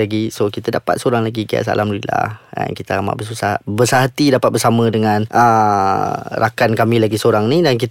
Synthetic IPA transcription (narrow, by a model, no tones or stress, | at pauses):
aɡisokit̪adapa̰t̪̚soɾaŋlaɡiɡia̰ʔsa̰lamdulila̰ha̰nkit̪aama̰ʔbəs̬usahbəsaɦat̪idapat̪̚bərsamə̃dəŋãnʔə | ɾʔakankamĩlaɡisoɾaŋnĩdank̬it̪